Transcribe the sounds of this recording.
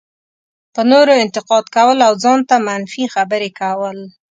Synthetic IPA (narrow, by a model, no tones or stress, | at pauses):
pənoɾoɪnt̪ɪqɑd̪kawəlawzɑnt̪amanfixabəɾekawəl